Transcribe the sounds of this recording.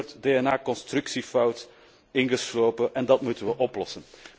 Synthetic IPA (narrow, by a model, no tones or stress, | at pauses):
rtdeːɛnaːkɔnstrʉksifʌwt | ɪnɣəsloːwpənʔɛndɑtmutənʋəʔɔplɔsən